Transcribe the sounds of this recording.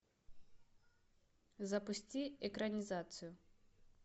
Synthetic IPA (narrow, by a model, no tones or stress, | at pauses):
zɐpusʲt͡sʲiɛkɾɐnʲizat̪sɨju